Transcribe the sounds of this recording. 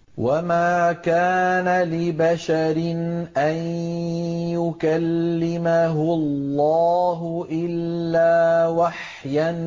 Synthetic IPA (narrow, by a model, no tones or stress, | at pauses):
wamaːkaːnalɪbaʃaɾɪnʔan | jʊkalːɪmaɦʊlːɑːɦʊʔɪlːaːwaħ | jan